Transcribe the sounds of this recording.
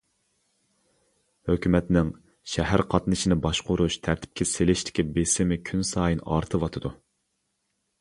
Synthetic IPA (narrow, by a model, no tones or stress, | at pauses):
høkʲymɛt̪nɪŋ | ʃɛɦæɾqʰɑt̪nɨʃɪnɪbɑʃqʊɾuʃt̪ʰæɾt̪ʰɪ̥p̚kʲʰɛselɪʃt̪ʰɪ̥kʲibesɪmɪkʲʰynsɑːjinɑ̰ɾt̪ʰɨwɑt̪ʰɨd̪u